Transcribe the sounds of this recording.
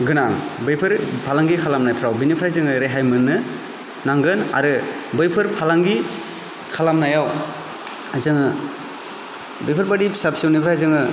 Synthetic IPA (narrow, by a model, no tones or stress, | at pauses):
ɡɯnaŋbɯjpʰɯɾpʰalaŋɡikʰalamnajpʰɾawbinipʰɾajzɯŋɯɾeɦajmɯnːɯ | naŋɡɯna̰ɾɯ | bɯjpʰɯɾpʰalaŋɡi | kʰalamnajaw | ajzɯŋɯ | bɯjpʰɯɾbadisapsiwnipʰɾhajzɯŋɯ